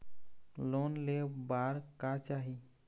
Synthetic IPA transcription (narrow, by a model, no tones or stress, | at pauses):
lonlebaɾkat͡ʃaɦi